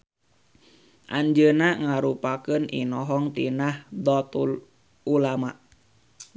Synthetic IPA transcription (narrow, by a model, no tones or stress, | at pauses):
ʔaɲd͡ʒənaŋaɾupakənʔḭnɔɦɔŋt̪inahd̪ɔt̪ul | ulamaʔ